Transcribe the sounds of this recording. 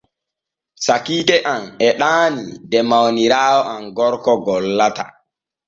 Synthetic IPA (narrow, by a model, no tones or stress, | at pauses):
sakiːdɛʔamɛɗaːnḭdɛmawniɾaːwɔʔamɡɔɾkɔɡɔlːata̰